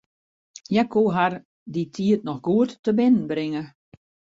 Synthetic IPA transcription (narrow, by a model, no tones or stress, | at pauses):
jakuːɦar | ditʰiətnɔxɡuətːəbɪnən̩bɾɪŋə